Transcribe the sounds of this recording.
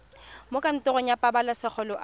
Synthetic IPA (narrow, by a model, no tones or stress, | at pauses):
mokʼan̩tʼɔɣɔɲapʼabalasɪk͡xʰɔlɔʔ